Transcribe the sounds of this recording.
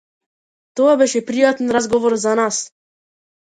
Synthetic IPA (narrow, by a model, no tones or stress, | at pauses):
t̪ɔabɛʃɛpɾijat̪ɛnɾazɡɔvɔɾzanas